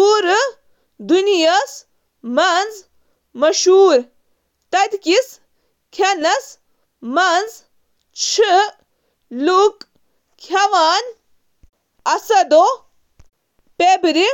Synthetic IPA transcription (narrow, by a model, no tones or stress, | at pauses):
puːɾ | d̪unijɐs | mɐnz | mɐʃuːɾ | t̪ɐd̪kis | kʰɐnɐs | mɐnz | t͡ʃʰɨ | luk | kʰɐʋaːn | ɐsɐd̪o | pebɾi